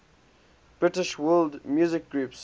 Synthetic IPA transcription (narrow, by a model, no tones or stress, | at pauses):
b̥ɹɪtɪʃwɜːldmjuːzɪk̚ɡɹuːps